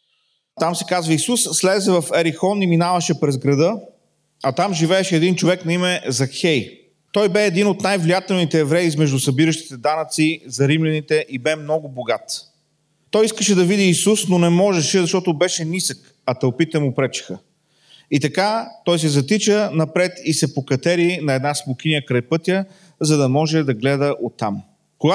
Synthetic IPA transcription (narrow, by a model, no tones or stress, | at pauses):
t̪amsɛ̥kazvəisusslɛzɛvɐfɛɾixɔniminavəʃɛpɾɛzɡɾɐd̪ɤ | ɐt̪amʒivɛɛʃɛːd̪int͡ʃovɛknɐimɛzɐxɛj | t̪ɔjbɛːd̪inʊt̪najvlijat̪ɛlˠnit̪ɛːvɾɛizmɛʒd̪ʊsɐbiɾəʃt̪i̥t̪ɛd̪anət̪sizɐɾimlʲɛnit̪ɛʔibɛmnɔɡʊboɡat̪ | t̪ɔjiskəʃɛd̪ɐvid̪iːsusnonɛmɔʒɛʃɛzɐʃt̪ɔt̪ʊbɛʃɛnisək | ɐt̪ɐlpit̪ːɛmʊpɾɛt͡ʃɛ̥xə | it̪ɐkat̪ɔjs̬ɛzɐt̪it͡ʃənɐpɾɛt̪isɛpokɐt̪ɛɾinɐɛd̪nasmʊkʲinijəkɾajpɤt̪ʲjə | zɐd̪ɐmɔʒɛd̪ɐɡlɛd̪əʔot̪ːam | koɡa